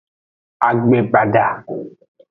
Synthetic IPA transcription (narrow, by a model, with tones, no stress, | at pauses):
a˨ɡ͡be˨ba˨da˨